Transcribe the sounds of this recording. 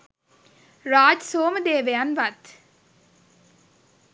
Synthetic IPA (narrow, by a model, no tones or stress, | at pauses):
ɾaːd͡ʒsoːməd̪eːʋeanʋat̪